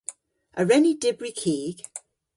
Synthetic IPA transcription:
ʔəɹɛnidɪbɹikʰiːɡ̥

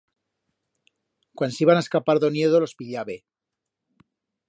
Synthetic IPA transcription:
kwansiβanaeskapaɾðonjeðolo̞spiʎaβe

